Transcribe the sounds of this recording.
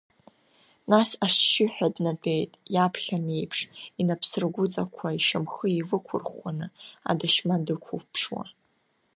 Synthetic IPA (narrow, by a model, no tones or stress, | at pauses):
nasaʂʃɪħᶣadnatʼe̞jtʼjapʰχʲane̞jpʰʂinapʰsɨrɡʷʊt͡sʼakʷʰaiʃamχəivɨkʷʰʊrχanɨa̰dɨʃmadɨkʷʰupʰʂwa̰